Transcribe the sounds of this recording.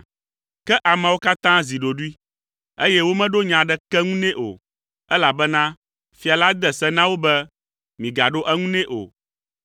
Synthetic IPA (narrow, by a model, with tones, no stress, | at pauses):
kɛ˦ʔa˨mɛ̃˨wo˦ka˦t̪ã˦zi˨ɖo˨ɖu˦i˦ | e˦jɛ˦wo˦mɛ̃˦ɖo˦ɲã˨ɖɛ˦kɛ˦ŋũ˦nɛ̃˦ʔo̰˨ | ɛ˦la˨bɛ˦nã˦ | fi˨a˨la˦d̪ɛ˨sɛ˦nã˦wo˦bɛ˦ | mĩ˨ɡa˨ɖo˦ʔɛ˦ŋũ˦nɛ̃˦ʔo̰˨